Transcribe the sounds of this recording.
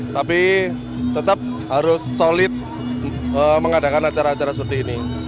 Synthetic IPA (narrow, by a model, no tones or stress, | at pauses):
t̪api | t̪ət̪əp̚ɦaɾʊsːolɪt̪̚ | əməŋada̤kanat͡ʃaɾaːt͡ʃaɾasəpərt̪iːni